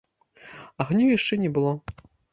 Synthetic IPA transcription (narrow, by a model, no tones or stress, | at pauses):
ɐɣnʲujaʂt͡ʂɛnʲɛbɨlˠɔ